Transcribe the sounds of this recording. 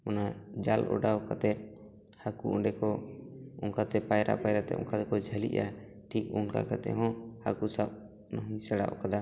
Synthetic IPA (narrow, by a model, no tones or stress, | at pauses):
ɔnad͡ʒalʔɔ̰ɖawkat̪ɛt̪̚ | hakuʔɔɖɛkɔuŋkat̪ɛpajɾa̰ʔpajɾat̪ɛ̰ʔɔ̰ŋkat̪ɛkɔd͡ʒʱəlḭʔa | ʈʰik̚unka̰kat̪ɛ̰ɦɔ̃hakusap̚ | nɔɦuɲsaɽa̰ʔɔ̰kad̪a